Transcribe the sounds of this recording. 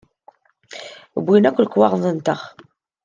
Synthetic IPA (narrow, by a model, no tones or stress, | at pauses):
bːinækʷːʊlkwɑʁðˤənt̪əχ